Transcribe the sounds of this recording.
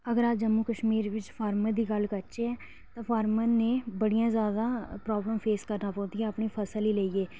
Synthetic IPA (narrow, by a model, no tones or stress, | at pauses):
əɡəɾaːd͡ʒəmuːkəʃmiːɾʋɪt͡ʃpʰaːɾməd̪iːɡəlkət͡ʃeɛː | t̪ãːpʰaːɾmənẽːbəɽijãːzjaːd̪aːpɾɔːbləmpʰeːskəɾnaːpɔ̃ːnd̪iːɛːəpɳiːpʰəsəliːleːiːeː